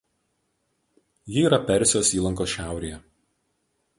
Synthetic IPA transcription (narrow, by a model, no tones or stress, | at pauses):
jɪiːɾɐpʲɛɾʲsʲjoːsiːlˠɐŋkoːsʃʲæˑʊɾʲejɛ